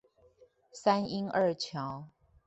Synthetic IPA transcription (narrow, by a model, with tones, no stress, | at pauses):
sa˥ni˥ŋə˥˧t͡ɕʰjɑ˧˥˦ʊ